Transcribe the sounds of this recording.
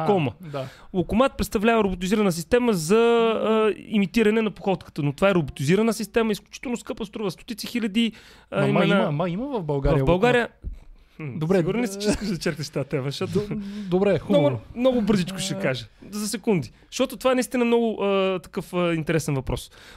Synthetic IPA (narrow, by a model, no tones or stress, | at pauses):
kɔməd̪a | lˠokʊmat̪̚pɾɛt̪st̪ɐvlʲavəɾʊbʊt̪iziɾɐnəsist̪ɛməzɐ | ḭmit̪iɾɐnɛnɐpoxɔt̪kə̥t̪ənot̪ovaɛɾʊbʊt̪iziɾɐnəsist̪ɛməisklʲʊt͡ʃi̥t̪ɛlˠnʊskɤpəst̪ɾuvəst̪o̥t̪it̪sixilʲɐd̪i | imɛnamɐiməvɐfbɐlˠɡavɐɾjvəbɐlˠɡaɾɾijə | d̪oɾɛiɡʊɾnonɛsit͡ʃiskəʃd̪ɐt͡ʃɛɾk̪əʃt̪aat̪ɛmɐʃt̪ɔt̪od̪obɾɛxɡʊmnɔɡʊbɤɾzit͡ʃkʊ̥ʃɛkaʒəzɐsɛkund̪i | ʃt̪ɔt̪ʊt̪ovaɛnɐist̪inəmnɔɡʊʔət̪ɐ̥kɤfəint̪ɛɾɛsɛnvɐpɾʔɔs